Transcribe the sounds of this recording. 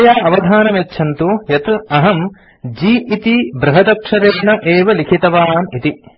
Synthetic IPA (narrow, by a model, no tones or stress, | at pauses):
jaːɐʋɐd̪ʱaːnɐmetːʃʰɐnt̪ujɐt̪ɐɦɐm | d͡ʒiːʔit̪ibɾɐɦɐd̪ɐkʂɐɾeːnɐʔeːʋɐlikʰit̪ɐʋaːnit̪i